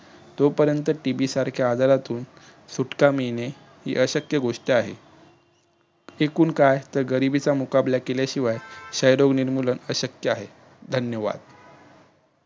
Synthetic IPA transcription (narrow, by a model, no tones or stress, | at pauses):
t̪opəɾjənt̪əʈibisaɾkʰjaːd̪aɾat̪uːn | suʈkamine | hḭːʔəɕəkjəɡoʂʈiaɦḛ | ekuːnkajt̪əɾɡəɾibit͡samukablakeljaɕiʋajɕəjɾoɡniɾmulənəɕəkjəaɦe | d̪ʱənjəʋa̰d̪̥